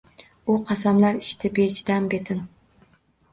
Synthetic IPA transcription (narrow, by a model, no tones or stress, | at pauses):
uqʰɑsɑmlˠæɾiʃt̪ʰɪbet͡ʃʰid̪ɛmbet̪ʰɪn